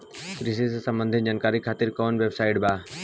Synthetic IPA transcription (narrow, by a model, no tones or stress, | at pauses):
kɾisisesə̃mbə̃nd̪ʱɪnd͡ʒaːnkaːɾikʰaːt̪ɪɾkɔːnʋeːbsaːɪʈbaː